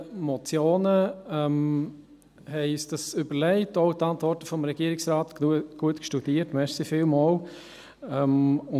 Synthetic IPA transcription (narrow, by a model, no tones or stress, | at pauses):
mɔt͡sjoːnəɛm | hɛɪysd̥ɑsybəɾlɛɪtoʊtɑntvɔɾtəfɔmɾɛɡ̥iəɾɪksɾaːtɡ̥uətkʃtud̥iːətmɛʃsifɪlmɔːl | ɛmʊ